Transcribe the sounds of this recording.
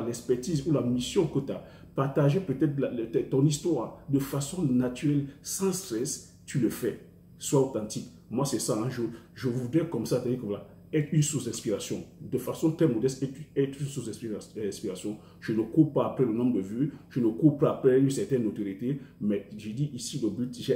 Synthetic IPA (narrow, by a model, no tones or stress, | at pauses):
alɛkspɛʁt̪izulamisjɔ̃kət̪ya | paʁt̪aʒepøt̪ɛt̪lalt̪ɛt̪ɔ̃nist̪waːʁd̪əfasɔ̃nat̪yʁɛlsɑ̃st̪ʁɛs | t̪yləfɛ | swaot̪ãt̪ik | mwasɛsãɛ̃ʒəʒəvud̪ʁɛkɔmsat̪adikɔmla | ɛt̪ʁynsusɛ̃spiʁasjɔ̃d̪əfasɔ̃t̪χɛmɔd̪ɛst̪ɛt̪ɛt̪χynsusɛ̃sɛ̃spiʁasjɔ̃ | ʒ̥ənəkuʁpaːpɾɛlənɔ̃mbd̪əvyʒ̥ənəkuʁpaapɾɛynsɛʁt̪ɛnːot̪oʁjit̪emɛʒəd̪iʔisiləbyt̪ʒɛ